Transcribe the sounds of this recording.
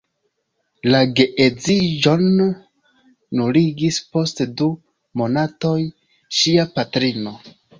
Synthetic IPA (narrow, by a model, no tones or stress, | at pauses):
laɡe̞ʔed͡zid͡ʒo̞n | uliɡispo̞stdu | mo̞nato̞j | ʃiapatɾino̞